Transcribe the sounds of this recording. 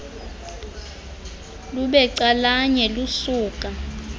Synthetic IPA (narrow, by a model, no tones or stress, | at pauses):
luɓɛǀalaɲɛlusuːk̬ʼa